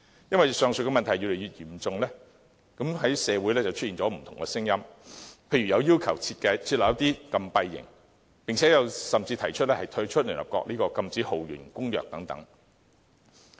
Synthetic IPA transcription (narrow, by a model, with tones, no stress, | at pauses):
jɐ˥nwɐ˨jsœː˨˧ŋsɵ˨˧kɛ˧mɐ˨nt̪ʰɐ˨˩jyː˨˧le˨˩jyː˨t̚jiː˨˩mt͡sʊ˨˧ŋlɛː˥ | kɐ˨˥mɦɐ˨˥jsɛː˨˧wu˨˥jlɛː˥t͡sɐ˨wt͡ʃʰɵ˥t̚iː˨nt͡ʃɔ˨˥m̩˨˩t̪ʰʊ˨ŋkɛ˧sɪ˥ŋjɐ˥mpʰe˧jɥy˨˩jɐ˨˧wjiː˥wkʰɐ˨˩wt͡sʰi˧t̚kɐ˧jt͡sʰi˧t̚lœː˨˩jɐ˥t̪iː˥kɐ˧mpɐ˧jːɪ̰˨˩ŋ | pɪ˨ŋt͡sʰɛː˨˥jɐ˨˧wsɐ˨mt͡siː˧t̪ʰɐ˨˩jt͡ʃʰɵ˥t̚lɛː˥hɐ˨jt̪ʰɵ˧˥t͡ʃʰɵ˥t̚lyː˨˩nhɐ̰˨˩pkɔ̰ː˧k̚liː˥kɔː˧kɐ˧mt͡siː˨˥ho˨˩wɥy̰ː˨˩nkʊ˥ŋjœː˨k̚t̪ɐ˨˥ŋt̪ɐ̰˨˥ŋ